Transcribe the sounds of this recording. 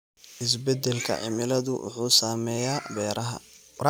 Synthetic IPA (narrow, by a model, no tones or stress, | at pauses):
ɪs̬bɛd̪ɛlkʰɐ̰ʕɪ̰mɪlɐðʊʔʊ̰ħuːsaːmɛjaːbɛːɾɐɦɐ̰